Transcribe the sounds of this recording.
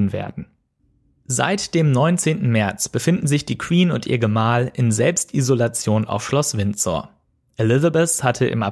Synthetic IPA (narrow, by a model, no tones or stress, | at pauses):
n̩vḛːɐdn̩ | z̥a̰ɪtd̥eːmnɔʏnt͡seːntn̩mɛɐt͡sb̥əfɪndn̩zɪçd̥iːkʰw̥iːnʊntʔḭːɐɡəmaːlʔɪnzɛlpstʔizolat͡sjoːna̰ʊfʃlɔsv̥ɪnt͡sɔ̰ɐ | ʔelɪzabɛshatʰəʔɪ̰ma̰